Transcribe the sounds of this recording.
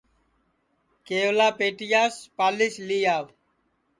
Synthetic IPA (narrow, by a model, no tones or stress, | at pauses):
keːoʋlaːpeːʈɪjaːspaːlɪʃliːaːʋ